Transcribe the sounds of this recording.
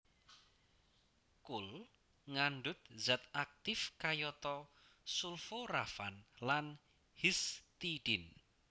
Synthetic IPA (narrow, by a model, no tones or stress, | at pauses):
kul | ŋanɖʊt̪̚zat̪ak̚t̪ɪfkajɔt̪ɔsulforafanlan | hist̪iɖ̥ɪn